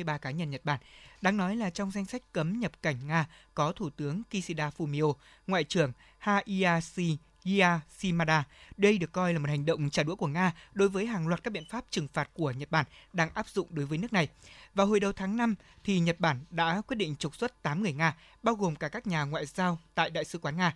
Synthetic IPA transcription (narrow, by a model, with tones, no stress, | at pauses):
ɨ˧jɓaː˧kaː˨˦ɲə˧nɲə˨˩t̚ɓaː˧˩nɗaː˧ŋnɔ˨˦jlaː˨˩t͡ɕɔ˧wŋ͡mza˧jŋ̟sa˦˥jk̟̚kə˨˦mɲə˨˩p̚ka˧˩jŋ̟ŋaː˧kɔ˨˦t̪ʰu˧˩t̪ɨ˨˦əŋki˧si˧ɗaː˧fu˧mi˧ʔo˧ | ŋwa̰ː˧˨jt͡ɕɨ˧˩əŋ | haː˧ʔi˧ʔaː˧si˧ | i˧aː˧si˧maː˧ɗaː˧ɗə˧jɗɨ˨˩əkːɔ˧jlaː˨˩mo˨˩t̚ha˨˩ŋ̟ɗə̰˧˨wŋ͡mt͡ɕaː˧˩ɗu˧˥əku˧˩əŋaː˧ɗo˨˦jvəː˨˦jɦaː˨˩ŋlwaː˨˩t̚kaː˦˥ɓḭ˧˨ə˨nfaː˦˥p̚t͡ɕɨ˨˩ŋfaː˨˩t̚ku˧˩əɲə˨˩t̚ɓaː˧˩nɗaː˧ŋʔaː˦˥p̚zʊ̰˧˨ŋ͡mɗo˨˦jvəː˨˦jnɨ˦˥ək̚na˨˩jvaː˨˩wɦo˨˩jɗə˨˩wt̪ʰaː˨˦ŋna˧mt̪ʰi˨˩ɲə˨˩t̚ɓaː˧˩nɗa̰ː˧˥kwt̚ɗḭ˧˨ŋ̟t͡ɕʊ˨˩k͡p̚swə˦˥t̚t̪aː˨˦mŋɨ˨˩əjŋaː˧ | ɓaː˧wɣo˨˩mkaː˧˩kaː˦˥k̚ɲaː˨˩ŋwa̰ː˧˨jzaː˧wt̪a̰ː˧˨jɗa̰ː˧˨jsɨ˨˦kwaː˨˦nŋaː˧